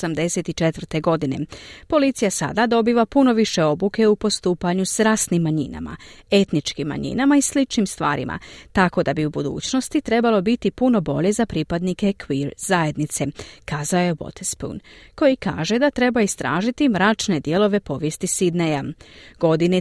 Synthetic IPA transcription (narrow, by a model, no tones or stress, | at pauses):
samd̪e̞se̞t̪it͡ʃet̪ʋr̩t̪e̞ɡo̞d̪ine̞̰po̞lit̪sijasa̰d̪ad̪o̞biːʋapuno̞ʋiʃe̞o̞buke̞upo̞st̪uːpaɲusɾaːsnimːaɲḭna̰ma̰e̞t̪nit͡ʃkimːa̰ɲḭnamaislit͡ʃnimst̪ʋa̰ːɾḭmʔa̰t̪ako̞d̪abiubud̪ṵːt͡ɕno̞st̪it̪ɾe̞balˠo̞bit̪ipuno̞bo̞ʎe̞zapɾipad̪nike̞kʋiɾzaed̪nit̪se̞kaːzaoje̞bo̰t̪ʰespṵnko̞jika̰ːʒe̞d̪at̪ɾe̞baist̪ɾa̰ːʒit̪imɾaːt͡ʃne̞d̪je̞lˠo̞ʋe̞po̞ʋje̞st̪isid̪nejaɡ̥o̞d̪ine